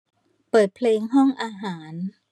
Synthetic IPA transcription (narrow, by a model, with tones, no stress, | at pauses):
pɤː˨˩t̪̚pʰleː˧ŋɦɔ˥˩ŋʔaː˧ɦaː˩˦n